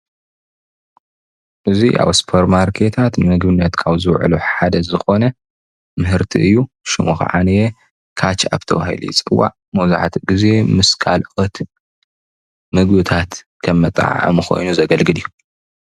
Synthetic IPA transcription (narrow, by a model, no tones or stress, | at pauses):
ʔɨziʔa̰βspʰoɾmaɾkʰe̞t̪ʰat̪nɨmɨɡbɨnːɐt̪kʰaβzɨwʕ̰luħad̪ɐzɨxo̞nɐ | mɨɦɨɾt̪ʰḭɨjːu | ʃɨmuxɨ̰ʕa̰nɐje | kʰat͡ʃa̰βt̪ʰɐβahḭlṵjɪt͡sʼɨwːa̰ʕ | mɐwza̰ħt̪ʰɡize̞mɨskʰalxʼɐt̪ | mɨɡbɨt̪ʰat̪ | kʰɐmːɐt̪ʼa̰ʕɐ̰mɨxo̞̰jnuzɐɡɐlɡɨlijːu